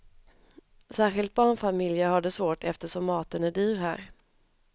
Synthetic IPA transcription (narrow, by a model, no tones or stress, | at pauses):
sæːɾɧɪlt̪̚bɑːɳfamɪljəhad̪ːəsvoːʈɛft̪əʂɔmːɑːt̪ənæɖyːɾɦæ̰ːɾ